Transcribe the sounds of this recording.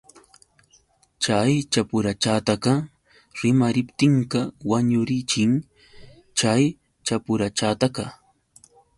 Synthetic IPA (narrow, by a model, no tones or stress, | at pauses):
t͡ʃajt͡ʃapʊɾat͡ʃaːt̪akɑ | ɾɪmaɾɪpt̪ɪɴkɑwaɲʊɾɪt͡ʃɪŋ | t͡ʃaj | t͡ʃapʊɾat͡ʃat̪akɑ